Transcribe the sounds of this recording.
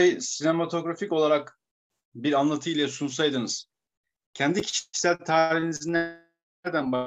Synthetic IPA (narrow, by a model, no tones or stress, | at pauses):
ejsinemat̪ʰo̞ɡɾafico̞lˠaɾak | biɾanlˠat̪ʰɯilʲɛsuns̬ajd̪ɯnɯz̥ | cʰɛnd̪icʰi̥t͡ʃi̥sælʲt̪ʰaːɾiɦinizinæ | ɾd̪ænba